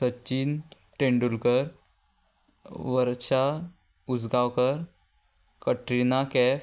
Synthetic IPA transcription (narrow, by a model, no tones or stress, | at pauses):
sətːt͡ɕiːn | ʈẽɳɖulkəɾ | ʋəɾt͡ɕa | ud͡zɡawkəɾ | kəʈɾinakɛ